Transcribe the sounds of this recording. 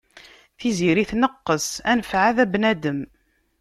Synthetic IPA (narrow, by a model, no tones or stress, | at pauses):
θiziɾiθnəqːəsænəfʕaðæbnæd̪əm